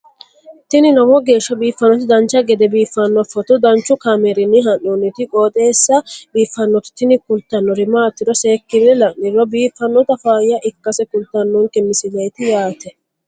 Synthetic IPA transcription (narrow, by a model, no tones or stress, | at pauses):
t̪ɪnɪnɐwɔɡe̞ːʃːɐbiːfːɐnːɔt̪ɪd̪ɐnt͡ʃːɐɡɛd̪ɛbiːfːɐnːɔfɔt̪ʊd̪ɐnt͡ʃːʊkɐmɛɾɪnːɪɦɐnːunːɪt̪ɪkʼoːt̪ʼeːsːɐbiːfːɐnːɔt̪ɪ̥t̪ɪnɪkʊlt̪ɐnːɔɾɪmaːt̪ːɪd̪ɔseːkːɪnɛlɐnːɪɾɔbiːfːɐnːɔt̪ɐfaːjːɐʔɪkːɐsɛkʊlt̪ɐnːɔŋkɛmːɪsɪd͡ʒɐjt̪ɪjaːt̪ɛ